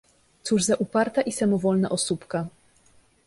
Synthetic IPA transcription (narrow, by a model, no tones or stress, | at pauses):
t̪suʐzaʔupaɾt̪aʔisamɔvɔlnaʔɔsupka